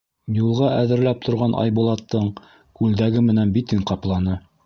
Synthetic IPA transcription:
julˠʁɑʔæðɘ̆ɾlæp̚t̪ʰŏɾʁɑnʔɑ̰jbulˠɑt̪ːɤɴ | kʉld̪æɡɘmɘ̆nænbit̪ɘŋqɑplˠɑnɤ

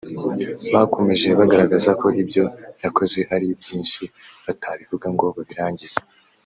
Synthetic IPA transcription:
βakʰo̞meʒe̞βaɡaɾaɡazakʰo̞ʔibjo̞jako̞zwe̞ʔaɾibjiːnʃi | βatʰaβivuɡaŋɡo̞βaβiɾaːɲɟiz̥e

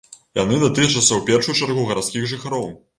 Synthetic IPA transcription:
ja̰nɨnɐt̪ɨt͡ʂɐt̪sɐwpʲɛrʂujut͡ʂarɣuɣɐɾat̪skʲiɣʐɨxaɾɔw

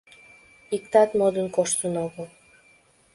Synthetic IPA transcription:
ikt̪ɑt̪mod̪ənkoʃt̪ənoɣəl

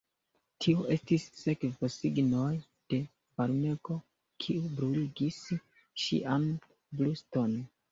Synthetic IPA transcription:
tʰioʔe̞stisːe̞kvosiɡno̞j | d̥e̞ | vaɾme̞ɡo̞ | kʰiubɾuliɡis | ʃḭʔan | blusto̞n

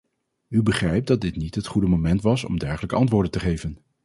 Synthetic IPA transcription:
ybəχrɛjp̚dɑt̚dɪtnitɦətχudəmomɛntʋɑsɔ̰mdɛɹχələkəʔɑntʋʊːɹdəntəχejvən

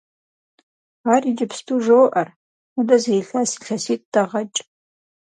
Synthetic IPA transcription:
aːriːd͡ʒɪpstʰuʒowʔɐr | udɐzejɬasi̥ɬɐsiːt̚ʼd̥ɐʁɐt͡ʃʼ

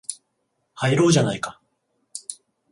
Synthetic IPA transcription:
haiɾo̞ːʑanaikḁ

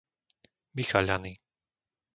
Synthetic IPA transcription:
ʋixaʎaniː

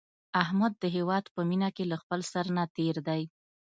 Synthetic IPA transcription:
aɦmad̪̚ːəɦewɑd̪pəminakelaxpəlsaɾnat̪eɾd̪aj

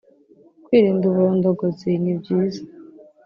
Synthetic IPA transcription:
kwiːɾiːnduβuɾoːndoɡozinibjiːzḁ

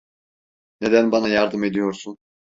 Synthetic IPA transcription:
ne̞d̪ænbanajaɾd̪ɯme̞d̪ijo̞ɾsun

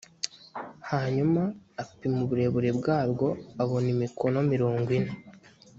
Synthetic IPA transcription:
haɲumaːpimuβuɾe̞βuɾe̞bɡaːbɡo̞aβo̞nimikʰo̞no̞miɾo̞ːŋɡwine

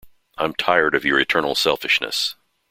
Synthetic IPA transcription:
ʔãɪ̃mtʰaɪə˞ɾʌvjə˞ɨtʰɜ̃˞nl̩ˠsɛlˠfɨʃnɨ̰s

